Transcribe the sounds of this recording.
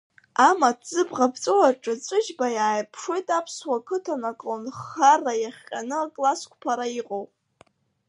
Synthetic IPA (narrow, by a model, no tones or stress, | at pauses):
amatʰz̥ɨbʁapʰt͡sʼowaʈ͡ʂʼɨt͡sʷʼɨʒbajaːjpʰʂojtʼapʰswakʰɨtʰanakʼonχarajaχʲqʲʼanɨakʼlaskʷpʰaɾaiqʼowpʼ